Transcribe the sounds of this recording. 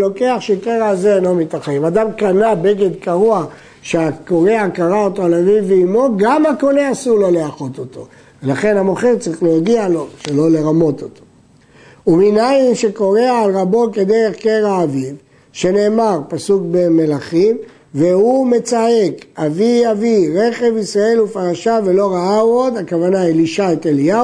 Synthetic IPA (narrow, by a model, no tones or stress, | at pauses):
lo̞ke̞aχʃekeʁazenlo̞mit̪aχaimad̪amkanabe̞ɡed̪kaʁua | ʃeako̞ʁeakaʁaot̪oalavivːeimo̞ɡamako̞neasulaleaχo̞t̪o̞t̪o̞̰ | velaχe̞nhamo̞χeʁt͡saʁiχleoɡialo̞ʃelo̞le̞ʁamo̞t̪ot̪o̥ | uminaimʃe̞ko̞ʁe̞aːlʁabo̞ked̪e̞ʁe̞χkeʁaːviv | ʃe̞ne̞ːmaʁpasukbe̞me̞laχim | vehume̞t͡sae̞kaviaviʁe̞χe̞visʁae̞lufaʁaʃave̞lo̞ʁaauod̪hakavanailiʃaet̪elia